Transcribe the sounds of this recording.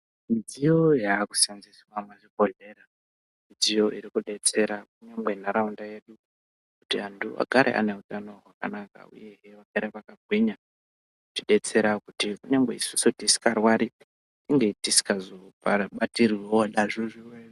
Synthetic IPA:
mid͡zijo̞jaːku̥sanziswamweʐibʱo̞ɮe̞ɾa | mid͡zijo̞ʔiɾikuɗe̞t͡se̞ɾak̚uɲamɡe̞naɾaundaje̞ɗu | kutiɦanduʔa̰ɡʱaɾʔḛʔa̰ne̞utano̞ɦwaka̰naka̰ṵje̞ɦeʋaɡ̥ʱaɾepakaɡʱwiɲa | kutiɗe̞t͡se̞ɾakutikuɲaŋɡḛisusutisi̥karwaɾi | iŋɡetisi̥kazopaɓatiriwewoɗaʐoʐiwe

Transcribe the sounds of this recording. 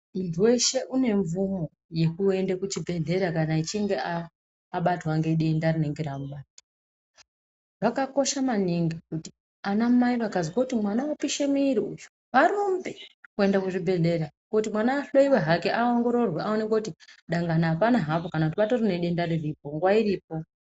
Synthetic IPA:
untʰuwe̞ʃe̞ʔune̞ɱvumo̞ | je̞kue̞ndekut͡ʃibʱe̞ɮe̞ɾakanait͡ʃiŋɡe̞aː | ɓatwaŋɡe̞ɗendarineŋɡeɾamuɓata | ʋakako̞ʃamaniŋɡikuti̥ | anamaiʋakaziwakutimwanawapiʃemiiɾiujo̥ | ʋaɾombe̞kue̞ndakuʐibʱe̞ɮe̞ɾakutimwanaːɬoiweɦakeʔaoŋɡo̞ɾo̞rweʔao̞nekoutiɗaŋɡanaːpanaɦapo̞kanakutipatorine̞ɗendariripo̞ŋɡwairiːp̚o̞

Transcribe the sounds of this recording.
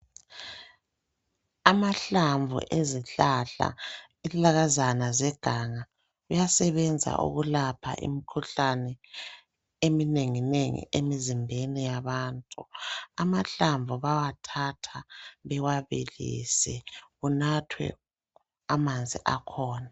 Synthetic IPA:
amaɬaɱvʱṵʔeziɬaɬa̰ | ilaɣazanazɛɡ̥ʱaŋa | ujasɛβɛnd͡zʱa̰ʔṵɣulapʰa̰ʔḭmikʰuɬanɛ | emineŋineŋḭemizimbʱenijaβaːntʼuamaɬaɱvʱuβawatʰatʰaβɛwaβḭlḭːsɛɣunatʰwɛ̰ | amand͡zʱiʔakʰɔːna

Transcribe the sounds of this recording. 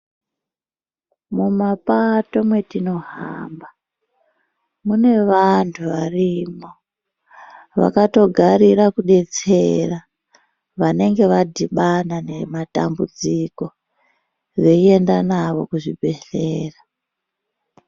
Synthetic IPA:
mumapato̞mwe̞tino̞ɦa̰mba | mune̞ʋantʰuʋarimo̞ | ʋa̰kato̞ɡʱaɾirakuɗe̞t͡se̞ra | ʋane̞ŋɡe̞ʋadʱiɓanane̞mata̰mbud͡ziko̞ | ʐe̞ie̞ndanaʋo̞̰kuʐibʱe̞ɬeːra

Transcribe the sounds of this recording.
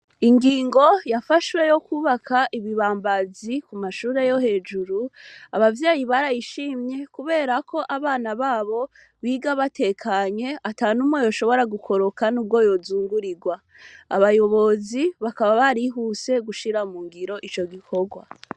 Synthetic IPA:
iŋɡiːŋɡo̞jafaʃwe̞jo̞kuːβakʰaʔiβiβaːmbazikumaʃuːɾe̞jo̞he̞ːd͡ʒuɾuaβavjaːjiβaɾajiʃiːmɲe̞kuβe̞ːɾako̞ʔaβaːnaβaːβo̞ | βiːɡaβate̞kʰaɲe̞atanumwojo̞ʃo̞βo̞ɾaɡukʰo̞ɾo̞kanub̚ɡo̞jo̞zuːŋɡuɾiɡwa | aβajo̞βo̞ziβakaβaβaɾiɦuse̞ɡuʃiɾamuŋɡiɾo̞ʔit͡ʃo̞ɡikʰo̞ɡwa

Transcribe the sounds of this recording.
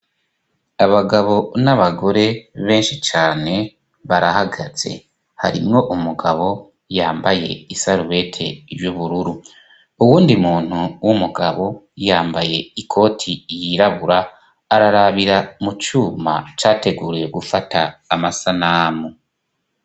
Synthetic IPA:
aβaɡaβo̞naβaɡo̞ɾe̞βe̞ːnʃit͡ʃaːne̞ | βaɾahaɡaz̥e̞̰ | ha̰ɾḭmŋo̞ʔumuɡaβo̞ | jaːmbaje̞̰isaɾuβe̞tʰe̞̰juβuɾuɾu | uwuːndimuːn̥huwumuɡaβo̞ | jaːmbaje̞ikʰo̞ːtʰijiɾaβuɾaː | ɾaɾaβiɾamut͡ʃuːma̰t͡ʃaːte̞ɡuːɾijeɡufatʰaːmasanamu

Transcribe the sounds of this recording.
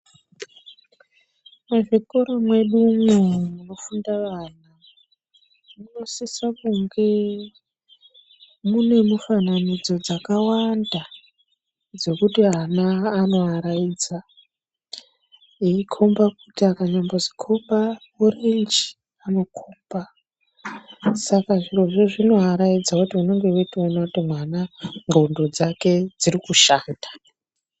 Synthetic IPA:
maʐikoɾomwe̞ɗumomuno̞fundaʋaːna | muno̞sisakuŋɡe̞ | mune̞mufananid͡zo̞d͡zakawanda | d͡zo̞kutianaːno̞ɦaɾajiːd͡za | iikʰombakutiakaɲambozi̥kʰomba | orind͡ʒi̥ | ano̞kʰumba | sakaʐiroʐeʐino̞ɦaɾaid͡zakutiuno̞ŋɡe̞uitaunotimwanaŋɡondod͡zake̞d͡zirikuʃaːndḁ

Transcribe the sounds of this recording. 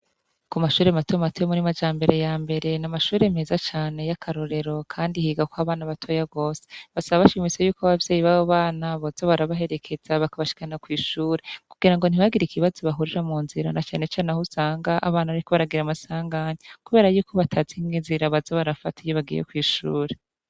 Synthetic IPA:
kumaʃuːɾematojmatojemuɾimad͡ʒaːmbe̞ɾe̞jaːmbe̞ɾe̞namaʃuːɾeme̞ːzat͡ʃaːne̞jakʰaɾo̞ɾe̞ɾo̞kʰaːndihiːɡakwaβaːnaβatʰojaɡo̞ːseβasaβaβaʃimisejuːkoaβavjeːjiβaβoβaːnaβazo̞βaɾaβaɦe̞ɾe̞kʰe̞z̥aβakaβaʃi̥kanakwiːʃuːɾekuɡiɾaŋɡo̞n̥iβaɡiɾikiβazo̞βaɦuɾiɾamuːnziɾa̰nat͡ʃaːne̞t͡ʃaːnahusaːŋɡaʔaβaːnaaɾiko̞βaɾaɡiɾamasaːŋɡaːɲekuβe̞ːɾajuːkʰo̞βatʰaziŋɡiːnziɾaβazo̞βaɾafatijoβaɡḭjḛkwiːʃṵːɾe

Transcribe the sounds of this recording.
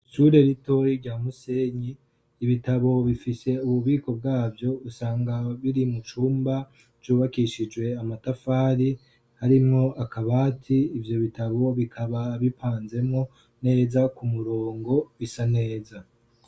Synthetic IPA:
suɾe̞ɾito̞jiɾɟaːmuse̞ɲiː | βitaβo̞βifise̞uβuβiːko̞b̚ɡaːbjo̞usaːŋɡaβiɾimut͡ʃuːmbḁ | d͡ʒuːβakiʃid͡ʒwe̞amatafaːɾi | haɾimŋo̞ʔakaβaːtʰiːvjo̞βitaβo̞βikʰaβaβipʰaːnze̞mŋo̞ | ne̞ːzakumuɾo̞ːŋɡo̞isane̞ːza

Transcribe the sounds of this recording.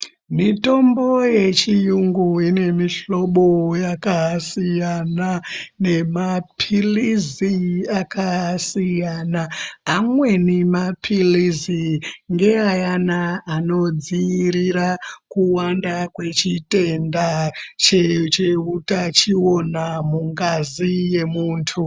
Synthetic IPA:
mito̞mbo̞je̞t͡ʃijuŋɡuine̞miɬo̞ɓo̞jakasijanane̞mapʰiliziakasijanaːmwe̞nimapʰiliziŋɡe̞ajanaano̞d͡ziːɾiɾakuwandakwe̞t͡ʃite̞ndat͡ʃet͡ʃeutat͡ʃio̞namuŋɡazije̞muːntʰu

